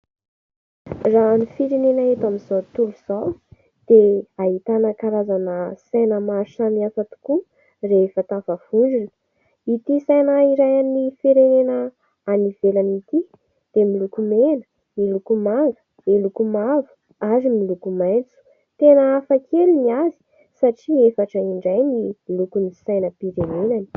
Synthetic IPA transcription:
ranifiɾenenaɦet̪amizawt̪uluz̥aw | d̪̥eaɦit̪anakaɾazanəsajnəmaɾʃamiafat̪u̥ku | refat̪avavuɳɖ͡ʐunə̥ | it̪isajnaiɾajanifiɾenenə | aniv̥elanit̪i | d̪̥emilukumenə̥ | milukumaŋɡə̥ | milukumavu̥ | aɾimilukumajnt͡su̥ | t̪enəafakʰeliniazi̥ | saʈ͡ʂiefaʈ͡ʂəiɳɖ͡ʐajniilukunisajnəpiɾenenani̥

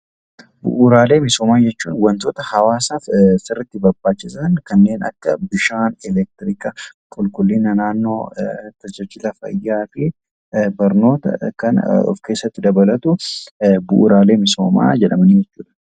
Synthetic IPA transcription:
bʊ̰ʔʊɾaːle̞ːmɪso̞ːmaːd͡ʒɛt͡ʃːṵːnwɐnt̪oːt̪ɐhɐwaːsaːfsɪrːɪt̪ːɪbɐɾbaːt͡ʃːɪsɐnkɐnːe̞ːnɐ̰kːɐbɪʃaːnɛlɛk̚t̪ɪɾɪkɐ | kʼʊlkʼʊlːɪnɐnaːnːo̞ːt̪ɐd͡ʒɐt͡ʃːɪlɐfɐ̰jːaːfɪ | bɐɾno̞ːt̪ɐ̰kɐnɔ̰fkeːsːɐt̪ːɪd̪ɐbɐlɐt̪ʊ | bʊʔːɾaːle̞ːmɪso̰ːma̰ːd͡ʒɛᶑɐmɐnid͡ʒɛt͡ʃːuːᶑɐ̥

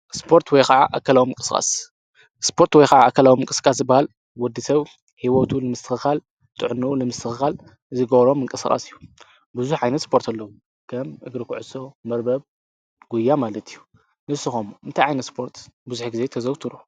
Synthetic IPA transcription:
spʰo̞ɾt̪ʰwɔjxaʕaʔakʰːɐlawimɨŋkʼɨsxʼa̰s | spʰo̞ɾt̪wɔjkaʕaakʰːɐlawimɨŋkʼɨskʼas̬ɨbahal | wɔd̪ːɨsɐβ | hiwot̪ʰulɨmɨst̪ʰɨxɨxal | t̪ʼɨʕnːuulɨmɨst̪ʰɨxɨxal | ɨzɨɡɐβɾo̞mːɨŋkʼɨsxʼa̰sijːu | bɨzuħʕajnɐt̪spʰo̞ɾt̪ʰɐlːɐwu | kʰɐmɨɡɾɨkʰuʕɨsːo̞mɐɾbɐβ | ɡ̥ujːamalɐt̪ʰijːu | nɨsɨxomuʔɨnt̪ʰajʕajnɐt̪spʰo̞ɾt̪bɨzuħɡize̞t̪ʰɐzɐwt̪ʰɨɾu

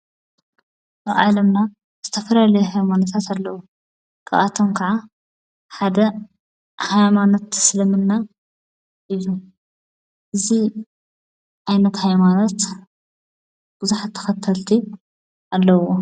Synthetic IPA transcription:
aβʕalɐmna | z̥ɨt̪ʰɐfɐlalɐjuhajmanot̪ʰat̪alːɐwo | kʰɐ̰ʔat̪ʰomkʰɐʕa | ħad̪ɐ | hajmanot̪slɨmɨnːa | ʔɨjːu | ʔɨzi | ħajnɐt̪hajmanot̪ | b̥ɨzuħat̪ʰːɐ̥xɐt̪ʰːɐlt̪ʰi | ʔalːɐwo

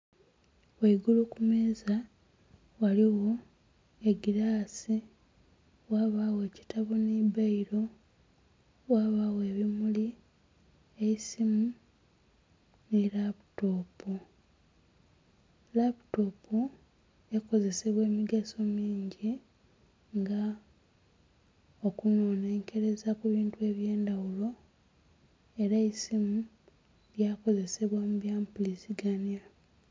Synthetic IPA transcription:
weiɡulukumeːza | waliwo̞ | eɡiɾaːsi | waːβaːwe̞ːci̥taβonibaiɾo | waːβawe̞ːβimuli | eisimu | nilaputo̞ːpu | laputo̞pu | eko̞ze̞se̞βwe̞ːmiɡaso̞miːɲɟi | ŋɡa | okuno̞ːneŋke̞ɾe̞zakuβiːntue̞ːβje̞ːndawulo̞ | e̞ɾaisimu | jako̞ze̞se̞βwamuβjaːmpulisiɡanja

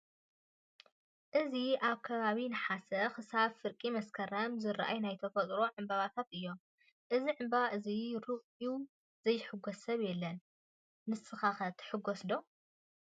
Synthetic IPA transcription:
ʔɨziʔaβkʰɐβaβinɨħasɐxɨsaβfɨɾkʼimɐskʰɐɾɐmzɨɾʔa̰jnajt̪ʰɐfɐt̪ʼɾo̞ʕɨmbaβat̪ʰat̪ɨjːo̞m | ʔɨziʕɨmbaβaʔɨziɾɨɣʼu | z̥ɐjːɪħɨɡosɐβjɛlːɐnː | ɨsɨxaxɐt̪ʰħɨɡosd̪o̞

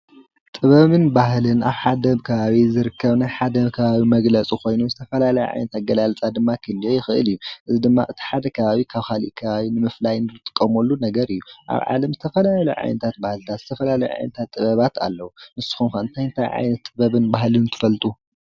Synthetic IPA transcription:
t̪ʼɨβɐβɨnbahlɨnaβħad̪ɐβkʰɐβaβizɨɾɨkːɐβnajħad̪ɐkʰɐβaβimɐɡlɐt͡sʼiko̞jnuzɨt̪ʰɐfɐlalɐj̰ʕa̰jnɐt̪ʰat̪̚ɡɐlalt͡sʼad̪ɨmːakʰɨlːijojɪxɨʔɨ̰lɨjːuʔɨzid̪ɨmːa̰ʔɨt̪ʰi̥ħad̪ɐkʰɐβaβikʰaβkʰalḭʔkʰɐβaβinɨmɨflajnɨɨt̪ʼɨ̥kʼːɐmolːunɐɡɐɾɨjːuʔa̰βʕa̰lɐmzɨt̪ʰɐfɐlaluʕa̰jnɐt̪ʰat̪̚bahlt̪ʰat̪z̥ɨt̪ʰɐfɐlalɐjʕa̰jnɐt̪ʰat̪ʼːɨβɐβat̪a̰lːɐwumɨsɨ̥xumkɐɨnt̪ʰajɨnt̪ʰajʕa̰jnɐt̪ʼːɨβɐβɨnbahlɨnnt̪ʰɨfɐlt̪ʼu

